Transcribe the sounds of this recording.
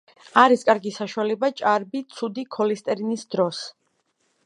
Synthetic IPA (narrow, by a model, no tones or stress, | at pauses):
aɾiskʼaɾɡisaʃualɛbat͡ʃʼaɾbit̪sʰud̪ikʰɔlist̪ʼɛɾinisd̪ɾɔs